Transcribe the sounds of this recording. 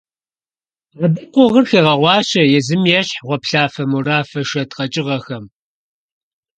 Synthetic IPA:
ɐbɨqʷʊʁərxeːʁɐʁʷɑːɕɐjɛzɨmjɛɕħʁʷɔpɬaːfɐmuraːfɐʃɐtqɐt͡ʃʼɪʁɐxɐm

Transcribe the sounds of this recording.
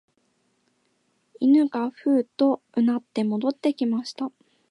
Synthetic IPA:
inɯ̟ɡaɸɯ̟ːt̪o̞ | ɯ̟nat̪ːe̞mo̞d̪o̞t̪ːe̞kʲimaɕi̥t̪a

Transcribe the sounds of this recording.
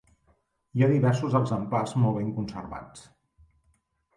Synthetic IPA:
iaðiβɛɾsuzəɡzəmplazmɔlˠβeŋkunsə̰ɾβa̰t͡s

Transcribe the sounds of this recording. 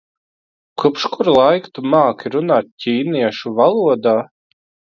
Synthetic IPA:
kupʃkuɾlˠajkt̪umaːkʲiɾunaːt̪̚ʲcʲiːniɛʃuvalˠuɔd̪aː

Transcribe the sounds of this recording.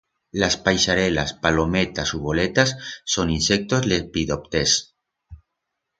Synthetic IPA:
laspajʃaɾela̰spalo̞met̪asuβolet̪asːoninsek̚t̪o̞zlepid̪opt̪es

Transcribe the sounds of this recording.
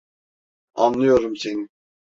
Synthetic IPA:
a̰nlˠɯjoɾumseni

